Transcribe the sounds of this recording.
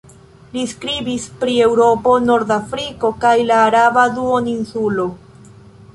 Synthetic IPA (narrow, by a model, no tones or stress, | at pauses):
liskɾibispɾie̞wɾo̞po̞no̞ɾd̪afɾiko̞kajlaːɾabaduoninsulo̞